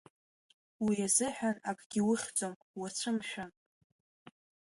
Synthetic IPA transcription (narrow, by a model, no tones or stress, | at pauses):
wiazɨħᶣanakʼɡ̥ʲiwʊχʲt͡sʼom | wat͡ɕʷʰɨmʃᶣan